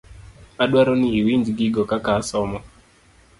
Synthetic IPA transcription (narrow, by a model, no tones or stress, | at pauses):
aɗwaɾɔniːwiɲd͡ʒɡiɡɔkakasɔmɔ